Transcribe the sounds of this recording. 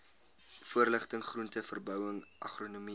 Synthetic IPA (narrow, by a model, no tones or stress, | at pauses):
fuərləχtəŋχruntəfərbœwəŋʔɐχronomi